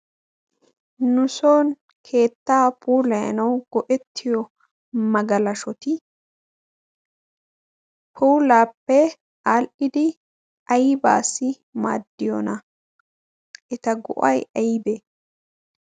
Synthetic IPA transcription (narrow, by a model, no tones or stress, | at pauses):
nʊsoːn | kʰe̞ːt̪ːaːpʰuːlɐjɐ̰nɐwɡ̥ɔʔɛt̪ʰːɪjɔ | mɐɡɐlɐʃɔt̪ɪ | pʰuːlaːpːɛ | aːlʔɪd̪ɪ | ɐjɪba̰ːsːɪ | ma̰ːd̪ːɪjɔ̰nɐ | ʔɛt̪ɐɡɔ̰ʔɐjɐjɪbe